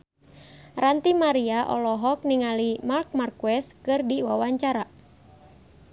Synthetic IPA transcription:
rant̪imaɾiaʔɔ̰lɔɦɔk̚niŋalimark̚markuɛskɨrdiwawaɲt͡ʃaɾa

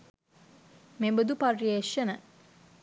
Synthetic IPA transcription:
membəd̪uparieʃənə

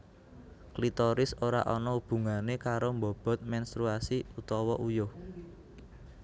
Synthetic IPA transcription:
klit̪ɔɾɪsoɾa̰ʔɔnɔub̥ṳŋanekaɾombɔ̤b̥ɔ̤t̪̚mɛnst̪ɾuasiut̪ɔwɔʔujo

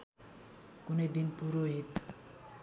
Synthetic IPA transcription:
kuned̪inpuɾoɦet̪

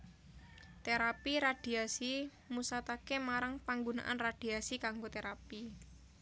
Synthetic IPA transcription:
t̪eɾapiɾad̪̥i̤asi | musat̪akemaɾaŋpaŋɡona̰ʔanrad̥i̤asikaŋɡot̪eɾapi

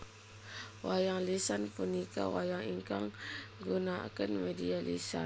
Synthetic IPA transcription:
wajaŋlisanpunika̰wajaŋiŋkaŋɡunakənmedialḭsa̰

